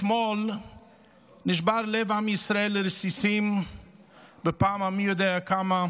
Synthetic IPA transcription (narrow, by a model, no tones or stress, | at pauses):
tmɔl | nɪʃ̬baɾlɛvamisɾaelɪɾsisim | bɪpaːmamijod̪ɛːakama